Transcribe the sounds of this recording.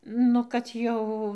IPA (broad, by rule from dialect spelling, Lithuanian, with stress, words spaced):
ˈnʊ kɐt ˈjɛʊ